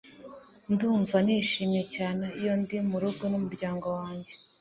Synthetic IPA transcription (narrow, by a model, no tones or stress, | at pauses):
nduːɱvaniʃiːmje̞caːne̞ijo̞ndimuɾuɡonumuɾɟaːŋɡo̞waːɲɟe